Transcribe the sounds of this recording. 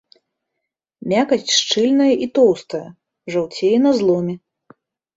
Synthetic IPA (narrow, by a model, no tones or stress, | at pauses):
mʲakɐsʲt͡sʲʂt͡ʂɨlʲnɐjɐʔit̪ɔwst̪ɐjɐ | ʐawt͡sʲejɛnɐzlˠɔmʲɛ